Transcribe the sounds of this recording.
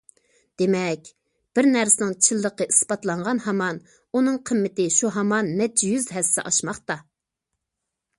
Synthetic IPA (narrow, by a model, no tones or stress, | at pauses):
d̪̥emɛkʲ | b̥ɪɾnæɾsɪnɪŋt͡ʃʰilˠːəqəispɑt̪lˠɑɴʁɑnhɑmɑn | unɨŋqʰəmːɪt̪ɪʃuɦɑmɑnmɛt͡ʃʰːjyzɦɛsːɪ̰ʔɑʃmɑχt̪ɑ